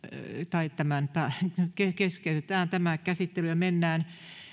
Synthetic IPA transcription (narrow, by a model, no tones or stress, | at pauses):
t̪ɑit̪æmænpæːkekeskeyt̪et̪æːnt̪æmækæsit̪ːelymenːæːn